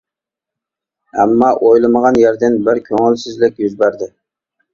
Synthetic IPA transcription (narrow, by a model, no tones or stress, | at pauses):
æmːɑʔojlˠɨməʁɑnjæɾd̪ɪnbɪɾkʲʰøŋɪlsɪzlɪk̚ʲjyzbæɾd̪ɪ